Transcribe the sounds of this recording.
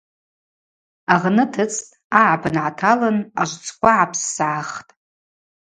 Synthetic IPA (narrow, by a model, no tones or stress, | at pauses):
aʁnɨtʰɨt͡sʰʼtʼ | aʕabɨnʕatʰalɨnaʒʷt͡sʰʼkʷaʕapʰsːaʕaχtʼ